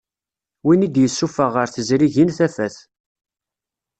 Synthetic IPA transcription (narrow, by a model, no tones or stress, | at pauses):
winid̪jəsːufəʁəɾθəzɾiʝinθæfæθ